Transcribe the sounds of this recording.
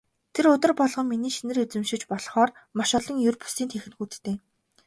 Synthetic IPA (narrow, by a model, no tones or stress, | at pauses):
t̪ʰerʊt̪ə̆rpɔɮʁɞ̆ŋminiːʃinɘ̆rut͡sɘ̆mʃɪ̆t͡ɕpɔɮχɔːrmaʃʊɮɞ̆ŋjɵrpu̥siːnt̪ʰexɘ̆nxuːt̪t̪eː